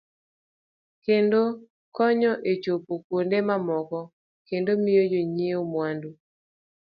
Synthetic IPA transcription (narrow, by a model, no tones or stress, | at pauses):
kendo | kɔɲɔʔet͡ʃopokwondemamɔkɔ | kendomɪjod͡ʒoɲiomwandu